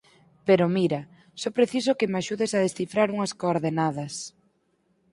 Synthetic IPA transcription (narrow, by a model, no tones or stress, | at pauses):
peɾomiɾɐ | sopɾeθis̬okɪmeaʃuðesaðesθifɾaɾuŋɐskoːɾðenað̞ɐs